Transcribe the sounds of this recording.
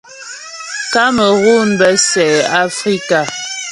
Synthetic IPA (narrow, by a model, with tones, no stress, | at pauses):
ka˦mə˨ɣu˦n˦bə˦sɛ˨a˦fɾi˦ka˨